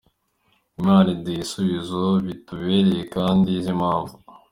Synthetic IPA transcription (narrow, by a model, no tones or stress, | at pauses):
imaːlidisuβizoβituβeːɾejekaːndizimhaːɱvu